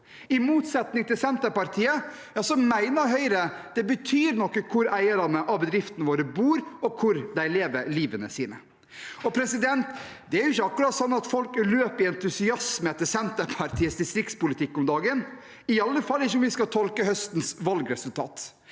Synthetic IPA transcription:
ɪmuːt̪sɛt̪nɪŋt̪ɪlsɛnt̪əɾpɑɾt̪ʰiːə | jɑːsɔmæɪnəɾɦœʏɾəd̪̥ɛbət̪ʰyːɾnɔkːəkʰʊɾæɪəɾɑnəʔɑbəd̪ɾɪft̪ənəʋoːɾəbuːɾɔkʰʊɾd̪æɪleːʋəɾliːʋənəsiːnə | ɔpʰɾɛsɪd̪ɛnt̪ | d̪ɛæɾjʊɪçːəɑkːʉɾɑːt̪sɔnːɑt̪fɔlkløːpɪɛnt̪ʉsɪɑsməɛt̪ːɪsɛnt̪əɾpʰɑɾt̪ʰiːəsd̪ɪst̪ɾɪktspʊlɪt̪ʰɪkːɔmd̪ɑːɡən | ɪɑlːəfɑlːɪçəɔmʋɪskɑt̪ʰɔlkəhœst̪nsʋɑlɡɾɛsʉlt̪ʰɑ̰ːt̪

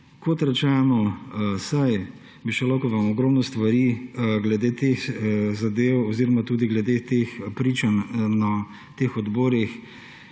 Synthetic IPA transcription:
kɔt̪ɾɛt͡ʃɛːnɔsaj | biʃɛlɔwkɔʋamɔɡɾɔmnɔst̪ʋaɾiɡlɛd̪eːt̪exzad̪ewɔziɾɔmat̪uːd̪iɡlɛd̪et̪expɾit͡ʃanna | t̪exɔd̪bɔːɾix

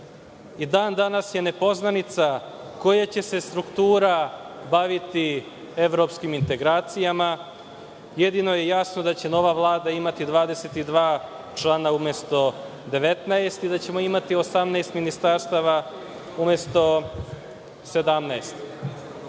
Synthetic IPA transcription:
id̪aːnd̪anasje̞ne̞po̞znanit̪sako̞jat͡ɕe̞se̞st̪ɾukt̪uːɾabaʋit̪i | eʋɾopskimint̪e̞ɡɾaːt̪sijama | jed̪ino̞jejasno̞d̪at͡ɕe̞no̞ʋaʋlˠaːd̪aimat̪id̪ʋaːd̪eset̪id̪ʋaː | t͡ʃlˠanaumest̪o̞ | d̪eʋet̪naest̪id̪at͡ɕe̞mo̞imat̪io̞samnaːst̪minist̪aɾst̪aʋa | umest̪o̞ | se̞d̪amnaest̪

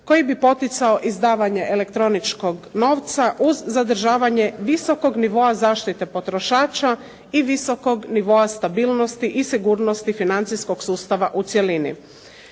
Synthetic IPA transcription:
ko̞jibipo̞t̪it̪sao̞ʔizd̪aːʋaɲe̞ʔelekt̪ɾo̞nit͡ʃko̞ɡno̞ːʋt̪saʔuzːad̪r̩ʒaːʋaɲe̞ʋiso̞ko̞ɡniʋo̞azaːʃt̪it̪e̞po̞t̪ɾo̞ʃaːt͡ʃa | iʋiso̞ko̞ɡniʋo̞ast̪abiːlˠno̞st̪iʔisiɡuːɾnost̪ifinant̪sisko̞ɡ̥suːst̪aʋaʔut̪sje̞linḭ

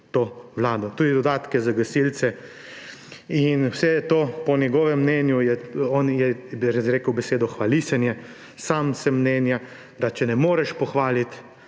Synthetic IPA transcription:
t̪oːʋlaːd̪ɔt̪uːd̪id̪ɔd̪aːt̪kɛzaɡɐsilt̪sɛ | inwsɛjɛt̪oːpɔnjɛɡɔːʋɛmːnɛnjujɛɔnjɛɾazɾeːkəwbɛseːd̪ɔxʋalisɛnjɛ | saːmsɛmːnɛnja | d̪at͡ʃɛnɛmoːɾɛʃpɔxʋaːlit̪

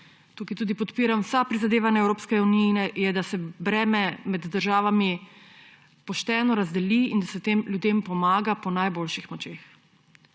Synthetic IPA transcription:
t̪ukit̪uːd̪ipɔt̪piːɾamwsapɾizad̪eːʋanaɛwɾoːpskɛuninɛjɛd̪asɛbɾɛːmɛmɛd̪ːəɾʒaːʋami | pɔʃt̪ɛːnɔɾazd̪ɛliind̪asɛt̪eːmlʲjud̪empɔmaːɡapɔnajboːlʃixmɔt͡ʃeːx

